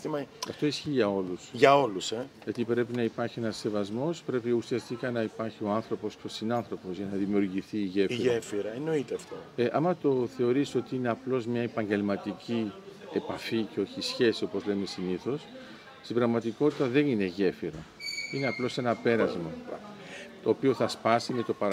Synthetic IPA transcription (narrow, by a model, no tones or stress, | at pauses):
imɐɐft̪o̞isçiʝɐo̞lusʝɐo̞luseʝɐt̪ipɾe̞pinɐipɐɾçie̞nɐsːe̞vɐzmo̞spɾe̞piusiɐst̪ikɐnɐipɐɾçio̞ɐnθɾo̞po̞sceosinɐnθɾo̞po̞zʝɐnɐðimiuɾʝiθiːʝefʝefiɾɐeno̞it̪eɐft̪oeʔɐmɐt̪o̞θe̞o̞ɾiso̞t̪iine̞ɐplo̞zmɲɐepɐɲɟe̞lmɐt̪icie̞pɐficeo̞çisçe̞sio̞po̞zle̞mesiniθo̞s | st̪ibɾɐɣmɐt̪iko̞t̪it̪ɐðe̞nine̞ʝe̞fiɾɐine̞ɐplo̞se̞nɐpe̞ɾɐzmɐ | t̪o̞ːpio̞θɐspɐsime̞t̪opɐɾ